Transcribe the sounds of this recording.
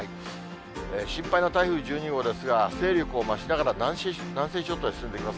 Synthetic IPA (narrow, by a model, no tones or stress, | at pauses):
ai | eɕĩmpaino̞t̪aiɸɯ̟ːd͡ʑɨːɲ̟iɡo̞d̪e̞sɨɡase̞ːɾʲo̞kɯ̟o̞maɕinaɡaɾanãɰ̃ɕ | nãɰ̃se̞ːɕo̞ːt̪oisɨ̥sɨ̃nd̪ekimas